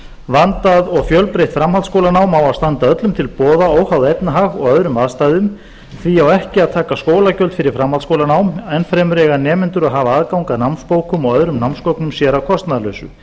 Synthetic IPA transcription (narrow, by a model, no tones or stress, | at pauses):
vant̪aðɔɣfjœlpɾeht̪fɾamhalt̪skowlanaːwmawaðst̪ant̪aœt̪lʏmt̪ʰɪlpɔːðaoːwhawðejpnaɦaɣɔ̰ɣœðɾʏmaðst̪ajðʏm | θviawɛhcɪaðt̪ʰaːkaskoːwlacœlt̪fɪɾɪɾ̥fɾamhalskowlanaːwmɛnfɾɛːmʏɾɛːɣanɛːmɪnt̪ʏɾaðɦaːvaaðkawŋkaðnawnspoːwkʏmɔɣœðɾʏmnawnskɔwknʏmsjɛɾawkʰɔst̪naðalœɥsʏ̰